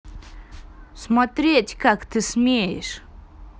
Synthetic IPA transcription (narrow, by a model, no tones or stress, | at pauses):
smɔt̪ɾʲetʲkakt̪ɨsmʲejʂ